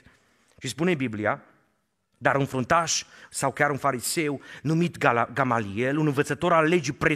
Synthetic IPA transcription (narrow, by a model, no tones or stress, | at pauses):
ʃispune̞biblia | d̪aɾunfɾunt̪aʃsawkʲaɾunfaɾise̞wnumit̪ɡamalielunɨnvət̪sət̪o̞ɾalːe̞d͡ʒipɾe